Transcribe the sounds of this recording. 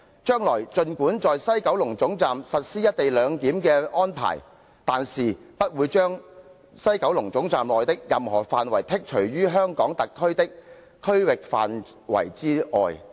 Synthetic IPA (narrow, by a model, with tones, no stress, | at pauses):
t͡ʃœː˥ŋlɔː˨˩jt͡ʃɵ˧nkuː˨˥nt͡sɔː˨jsɐ˥jkɐ˨˥wlʊ˨˩ŋt͡sʊ˨˥ŋt͡saː˨msɐ˨t̚siː˥jɐ˥t̚t̪e˨jlœː˨˧ŋk̪iː˨˥mkɛː˧ɔː˥npʰa̰ː˨˩j | t̪aː˨nsiː˨˩pɐ˥t̚wuː˨˧jt͡ʃœː˥ŋ | sɐ˥jkɐ˨˥wlʊ˨˩ŋt͡sʊ˨˥ŋt͡saː˨mlɔː˨jt̪ɪ˥k̚jɐ˨mhɔ̰ː˨˩faː˨nwɐ˨˩jt̪ʰɪ˥k̚t͡ʃʰɵ˨˩ɥɥyː˥ɦœː˥ŋkɔː˨˥ŋt̪ɐ˨kʰːɵ˥ɥt̪ɪ˥k̚ | kʰːɵ˥ɥwɪ˨k̚fa̰ː˨n | wɐ̰˨˩jt͡siː˥ɔ̰ː˨j